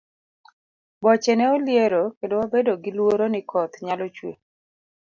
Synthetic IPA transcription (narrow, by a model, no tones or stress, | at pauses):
bɔt͡ʃɛnɛoljeɾokedowabedoɡɪlwoɾonɪkʰɔt̪ɲalɔt͡ʃwḛ